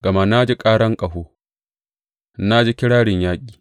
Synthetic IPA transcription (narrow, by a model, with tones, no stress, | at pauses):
ɡɐ˨ma˦˨na˦d͡ʒi˦kʼaː˦ɽɐ˦ŋkʼɐ˨ɦoː˦ | na˦d͡ʒi˦kʲɪ˦ɽaː˦ɽɪ˨ɲjaː˦kʲʼi̥ː˨